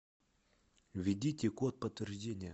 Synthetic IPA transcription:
vʲɪdʲitʲɪkot̪̚pət̪vʲɪrʐdʲenʲɪjə

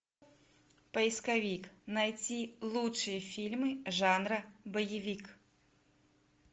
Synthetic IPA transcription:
pɐiskavʲiknajt͡sʲilˠutʂɨjəfʲilʲmɨʐanɾɐbɐjɪvʲik

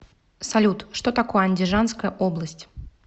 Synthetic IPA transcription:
salʲut̪ʂt̪ot̪akojəɐnʲdʲɪʐanskəjəʔoblˠəsʲtʲ

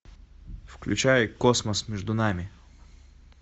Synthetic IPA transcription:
fklʲʉ̰t͡ɕæjkosməsmʲɛʐd̪ʊnamʲɪ

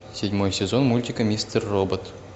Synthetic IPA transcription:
sʲɪdʲmojsʲezonmulʲtʲikəmʲisʲt̪ʲerːobət̪

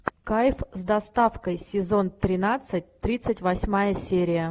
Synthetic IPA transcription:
kajfzd̪ɐst̪afkəjsʲɪzo̞nt̪ɾʲɪnat̪sɨtʲt̪ɾʲit̪sɨtʲvɐsʲmajəsʲeɾʲɪjə

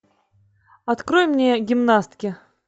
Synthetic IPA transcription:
ɐt̪kɾojmnʲeɡʲɪmnast̪ʲkʲɪ

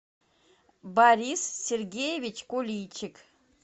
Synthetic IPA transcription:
baɾisːʲerɡʲejevʲit͡ʃʰkʷolʲit͡ʃʰɪkʰ

